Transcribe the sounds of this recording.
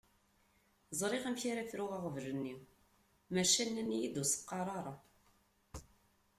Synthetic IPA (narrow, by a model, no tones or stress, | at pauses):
zˤɾˤeʁæmçaɾæθɾʊʁɑʁəvʒənːi | mæʃænːænːijid̪usə̥qːɑɾˤɑɾˤɑ